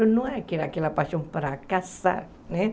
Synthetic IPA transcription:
unuakiɾakilapaʃumpəɾakasa̰ɾ | ne

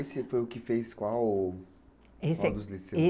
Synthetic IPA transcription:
esɪfojʊkɪfejskwaw | esed̪ʊzlisee

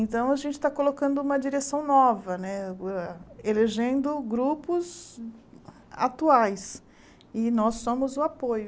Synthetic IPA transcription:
ẽt̪ɐ̃w̃ɐʒẽnt͡ʃɪ̥t̪akolokɐ̃nd̪ʊũmɐd͡ʒiɾesɐ̃w̃nɔvɐnɛɛeleʒẽnd̪ʊɡɾupʊz | a̰t̪uajs | ɪnɔsːõmʊzʊapojʊ

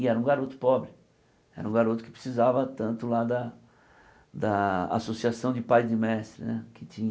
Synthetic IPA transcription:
ɪɛɾɐũɡaɾot̪ʊ̥pɔbɾɪ | ɛ̰ɾɐũɡaɾot̪ʊ̥kɪ̥pɾɪ̥sizavɐt̪ɐ̃nt̪ʊlad̪ɐ | d̪ɐa̰sosiasɐ̃w̃d͡ʒɪpajzd̪ɪmɛst̪ɾɪ̰nɛkɪt͡ʃĩɲ

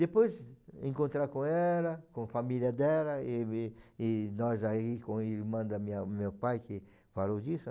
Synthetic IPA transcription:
d̪epojzḛ̃ŋkõnt̪ɾakõɛlɐkõfamiljɐd̪ɛlɐeɪnɔzaikõiɾmɐ̃d̪amĩɐmewpajkɪ | falowd̪isʊ

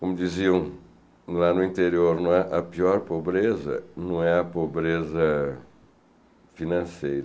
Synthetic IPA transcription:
komud̪iziɐ̃w̃ | lanuĩnt̪eɾioɾnɐ̃ɛʔɐpiɔɾpoβɾezɐ̰nɐ̃w̃ɛɐpoβɾezɐ | finɐ̃sejɾɐ

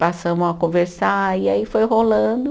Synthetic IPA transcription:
pasɐ̃mʊakõveɾsaɾiaifojɦolɐ̃d̪ʊ

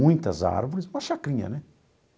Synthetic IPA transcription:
ũj̃t̪ɐza̰ɾvoɾɪsũmɐʃakɾĩɲɐ̰nɛ

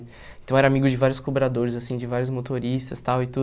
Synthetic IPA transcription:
ẽt̪ɐ̃w̃ɛɾɐamiɡʊd͡ʒɪvaɾjʊskobɾad̪oɾɪzasĩd͡ʒɪvaɾjʊzmot̪oɾist̪ɐst̪awɪt̪u

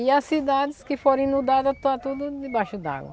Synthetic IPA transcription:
ɪɐsid̪ad̪ɪskɪfoɾẽj̃nud̪ad̪ɐt̪ɐt̪ud̪ʊd̪ɪbajʃʊd̪a̰ɡwɐ̰

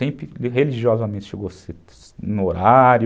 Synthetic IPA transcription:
ẽpɾɪɦeliʒiɔzamẽnt͡ʃɪʃeɡoset̪ | noɾaɾj

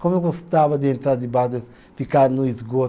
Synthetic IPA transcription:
komevoset̪avɐd̪ɪẽnt̪ɾaɾd̪ibad̪ | fikaɾnuizɡot̪

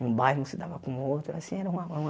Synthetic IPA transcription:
ũbajhnɐ̃sɪd̪avɐkõũowt̪ɾʊasĩɛɾɐũɐ̃ũ

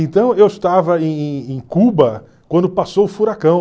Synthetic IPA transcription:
ẽnt̪ɐ̃w̃ewɪʃt̪avɐẽj̃ẽj̃kubɐ | kwɐ̃nd̪ʊpasowʊfuɾakɐ̃w̃

